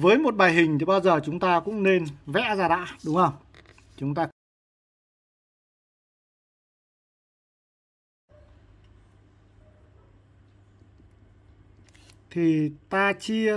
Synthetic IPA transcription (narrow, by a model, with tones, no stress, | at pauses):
vəː˨˦jmo˨˩t̚ɓaː˨˩jɦï˨˩ŋ̟t̪ʰi˨˩ɓaː˧wzəː˨˩t͡ɕʊ˨˦ŋ͡mt̪aː˧kʊ̰˧˥ŋ͡mne˧nvɛ̰˧˥zaː˧˩ɗa̰ː˧˨ɗʊ˨˦ŋ͡mŋhə˧wŋ͡m | t͡ɕʊ˨˦ŋ͡mt̪aː˧ | t̪ʰi˨˩t̪aː˧t͡ɕi˧əə